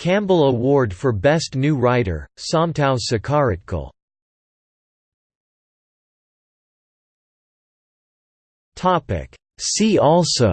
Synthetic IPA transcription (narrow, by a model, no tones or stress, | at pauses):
kʰæ̃mbl̩ˠəwɔɹdfə˞bɛstⁿnʉɹaɪɾə̰˞sɑ̃mtʰãʊsɨkʰɑɹɨkʰl̩ˠ | tʰɑpɪ̰k | siɔlˠsoʊ